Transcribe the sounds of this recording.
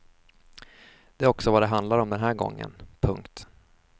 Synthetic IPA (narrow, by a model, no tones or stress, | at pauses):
d̪̥ɛæɾɔksɔvad̪ɛɦand̪laɾɔmd̪ɛnɦæːɾɡɔ̰ŋːə̰npʰɵŋkt̪